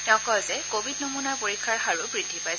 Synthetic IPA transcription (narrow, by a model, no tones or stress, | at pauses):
tɔ̃kɔzɛkobʱidnomunaɹpoɹikʰːaɹxaɹʊbɹidʱːipaj